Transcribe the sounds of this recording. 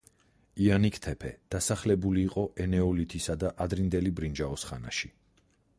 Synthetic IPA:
ianikʰt̪ʰɛpʰɛ̰d̪̥asaχlɛbuliːqʼɔʔɛnɛɔlit̪ʰisad̪aʔad̪ɾind̪ɛlibɾind͡ʒaɔsχa̰na̰ʃi

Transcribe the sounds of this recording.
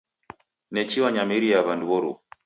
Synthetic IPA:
nɛt͡ʃiwaɲamiɾijaβanduβɔɾṵ

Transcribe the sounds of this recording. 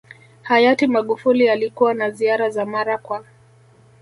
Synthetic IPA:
hajatimaɠufulialikuwanaziaɾazamaɾakwa

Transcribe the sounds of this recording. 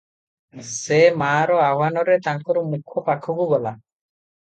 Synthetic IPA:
semaɾɔaɦwanɔɾɛt̪aŋkɔɾɔmukʰːɔpakʰːɔkuɡɔla

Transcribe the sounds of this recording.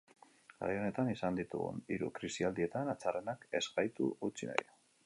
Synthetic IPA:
a̰ɾjo̞ne̞t̪anisand̪it̪ṵɣṵniɾṵkɾisiald̪ie̞t̪anat͡sare̞nake̞zɣajt̪ṵut͡sina̰ja

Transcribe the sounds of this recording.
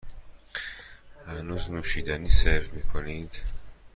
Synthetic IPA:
hænuːznuːʃiːd̪æniːseɾvmiːkʰonid̪̥

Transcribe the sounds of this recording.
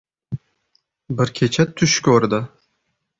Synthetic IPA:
bɪɾkʲʰet͡ʃʰat̪ʰːʊʃkʲøɾd̪ɪ

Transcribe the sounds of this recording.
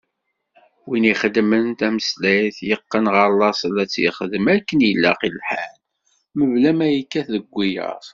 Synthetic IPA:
winiχəd̪mənt̪æməslæjθjəqːənʁɑɾlːɑsˤlæt͡sːjə̰χəðəmækːənjəlːæ̰qilħæl | məvlæmæjəkːæθðəɡʷːijə̰ɾˤ

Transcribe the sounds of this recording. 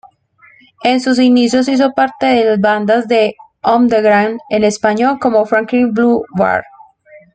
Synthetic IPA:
e̞nsus̬inis̬jo̞s̬is̬o̞paɾt̪e̞ðelazband̪azd̪e̞ | õmd̪eɣɾawnd̪ene̞spaɲo̞lko̞mofɾaŋklinbluwa̰ɾ

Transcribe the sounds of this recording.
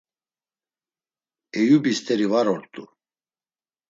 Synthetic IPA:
ɛjubist̪ʰʼɛɾivaɾɔɾt̪ʼu

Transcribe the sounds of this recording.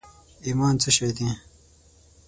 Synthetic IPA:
iːmaːnt͡səɕed̪ĩ

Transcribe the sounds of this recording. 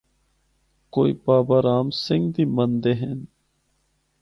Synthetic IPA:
koːḭːpaːbaːɾaːmsɪŋɡd̪iːmənd̪eːɦen

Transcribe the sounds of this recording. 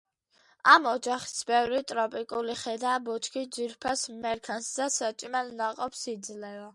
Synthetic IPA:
amɔd͡ʒaχi̥sbɛvɾit̪ʼɾɔpʼikʼuliχɛd̪aːbɔt͡ʃʰkʰid͡ʒiɾpʰasmɛɾkʰansd̪asat͡ʃʼmɛlnaqʼɔpsid̪zlɛva

